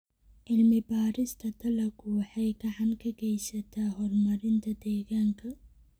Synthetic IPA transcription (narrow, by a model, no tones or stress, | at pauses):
ʕɪlmɪbaːɾɪst̪ʰɐt̪ʰɐlɐkʰʊwɑħɑjɡɐʕɑnkʰɐɡɛjsɐt̪ʰaːɦɔrmɐɾɪnt̪ʰɐd̪ɛːɣaːŋkʰɐ